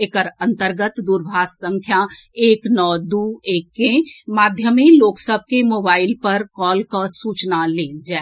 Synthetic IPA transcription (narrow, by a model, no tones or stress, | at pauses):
ekəɾə̃nt̪əɾɡət̪d̪uɾbʱaːssə̃ŋkʰjaeːknɔːd̪ueːkːẽmaːd̪ʱjəmiloːksəb̚ʱkemoːbaːɪlpəɾkɔːlkasuːt͡ʃnaleːd͡ʒaː